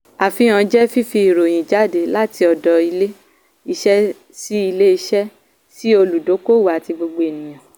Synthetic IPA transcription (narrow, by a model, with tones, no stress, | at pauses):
a˨fi˧˦ã˧d͡ʒɛ˦fi˦fi˧i˨ɾo˨j̃ĩ˨d͡ʒa˨˦de˨la˦ti˧ɔ˨dɔ˧i˧le˦ | i˧ʃɛ˦ | si˦i˧le˦i˧˦ʃɛ˦ | si˦o˧lu˨do˨˦ko˦˨wa˨ti˧ɡ͡bo˧ɡ͡bo˧e˨nĩ˨j̃ã˨